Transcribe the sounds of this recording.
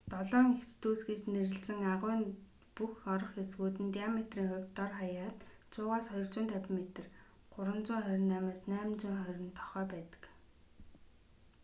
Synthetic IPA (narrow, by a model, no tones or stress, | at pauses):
t̪ɔɮɔːŋet͡ɕt̪uːsɡiːt͡ɕnerɘ̆ɮsɘ̆ŋaʁʊːn | puxɔɾɞ̆χesɣuːt̪ɘ̆nt̪ijamet̪riːŋχʊ̟kʲt̪ːɔrχajaːt̪ | t͡sʰʊːʁaːsχɔj̆rt͡ɕʊːnt̪ʰapmet̪ɘ̆r | ɢʊɾə̆nt͡sʊːŋχœɾʲɪ̆nːæmaːsnæːmt͡ɕʊːŋχœɾʲɪ̆nt̪ʰɔ̥χœːpæːt̪ə̥̆k